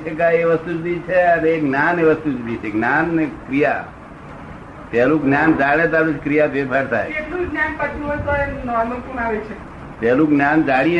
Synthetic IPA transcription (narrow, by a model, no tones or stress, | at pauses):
ək̬ajeʋəst̪ud͡ʒbit͡ʃʰeəneːkɡnaneʋəst̪ud͡ʒbit͡ʃʰeɡnanekɾija | pɛlũɡnjand͡ʒaɽ̃ẽt̪̬alut͡ʃkɾijapepaɾt̪ʰa̰jekluɡnjanpəʈʰnuɦojt̪oenɔnokunaʋet͡ʃʰe | p̪ɛlũɡnjand͡ʒaɽ̃i